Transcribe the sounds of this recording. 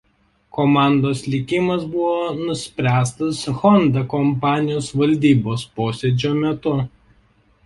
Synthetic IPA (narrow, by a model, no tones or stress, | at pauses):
kɔmɑˑnd̪oːslʲɪkʲɪmɐsbʊʋoːnʊsʲpʲɾʲæːst̪ɐsxɔnd̪ɐkɔmpɑːnʲɪjoːsʋɐlʲd̪ʲiːboːspoːsʲɛd͡ʒʲoːmʲɛt̪ʊ